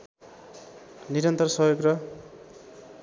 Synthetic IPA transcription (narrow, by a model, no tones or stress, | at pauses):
niɾʌnt̪ʌrsʌjoɡrʌ